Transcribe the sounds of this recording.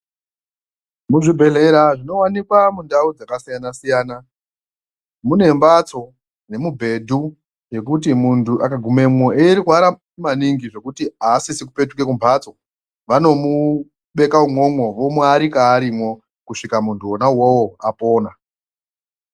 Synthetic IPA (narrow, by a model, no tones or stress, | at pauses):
muʐibʱe̞le̞ɾaʐino̞wanikwamundaud͡zakasijanasijaːna | mune̞mbat͡so̞ | ne̞mubʱe̞dʱu | je̞kut̬imuntuʔakaɡʱume̞mwo̞eɾikuaɾa | maniŋɡiʐe̞kutiaːsisiku̥pe̞tuke̞k̬umbʰʱat͡so̞ | ʋano̞mu | ɓe̞kaumo̞mwo̞ʋo̞muaɾikaːɾimwo̞ | kuʂikamuntʰuonawowoapo̞ːna